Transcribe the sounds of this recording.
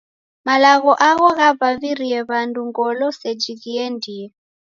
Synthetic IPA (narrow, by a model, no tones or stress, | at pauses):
malaɣɔʔaɣɔɣaβaβiɾiɛβanduŋɡɔlɔsɛd͡ʒiɣiɛndiɛ